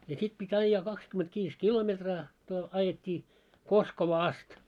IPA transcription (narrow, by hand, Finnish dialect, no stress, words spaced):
jɑ sit pitʲ ɑijːɑː kɑkskymetʋiːs kilometrɑː to ɑjetʲːiː koskoʋɑː ɑst